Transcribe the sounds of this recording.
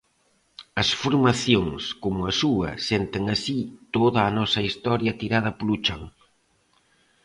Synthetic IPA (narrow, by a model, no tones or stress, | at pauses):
ɐsfuɾmaθjoŋskomʊɐsuɐ̰sent̪eŋɐsit̪oðaːnɔsɐist̪ɔɾjɐt̪iɾað̞ɐplut͡ʃaŋ